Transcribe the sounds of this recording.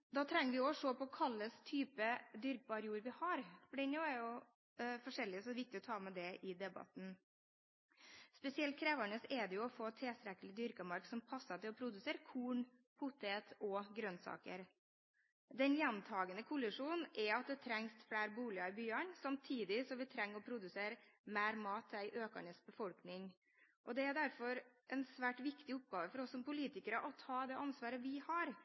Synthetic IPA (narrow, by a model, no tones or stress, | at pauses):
d̪ɑːt̪ʰɾɛŋːəɾʋɪɔʂoːpɔkʰɑlːəst̪ʰyːpəd̪ʏɾk̚bɑɾjuːɾʋɪhɑɾfɔɖɛnoæɾjʊ | fɔʂɛlːɪəsɔʋɪk̚t̪ɪɔt̪ʰɑːmɛd̪ɛɪd̪ɛbɑ̰t̪n̩ | spɛsɪɛlt̪̚kʰɾeːʋæɳəsɛd̪ɛjʊɔfoːt̪ʰeːst̪ɾɛkəlɪd̪ʏɾkɑmɑɾksɔmpʰɑsːɑt̪ɪlɔpʰɾʊd̪ʉseːɾkʰuːɳ | pʰʊt̪eːt̪ɔɡɾœnsɑ̰ːkə̰ɾ | d̪ɛnjɛnt̪ʰɑːɡənəkʰʊlɪʂuːnʔɛɑt̪̚d̪ɛt̪ʰɾɛŋsfɽæːɾbuːlɪɑɪbyːəɳsɑmt̪ʰiːd̪ɪsɔmʋɪt̪ʰɾɛŋːɾɔpʰɾʊd̪ʉseːɾmæːɾmɑːt̪ʰːɛɪʔøːkə̰ɳəsbəfɔlknɪŋ | ʔɔd̪ɛæɾd̪æɾfɔɾʔɛnsʋæːʈʋɪkt̪ɪʊp̚ɡɑːʋəfɔɾɔsːɔmpʊliːt̪ɪkəɾəʔɔt̪ʰɑːd̪ɛʔɑnsʋɑːɾəʋɪhɑɾ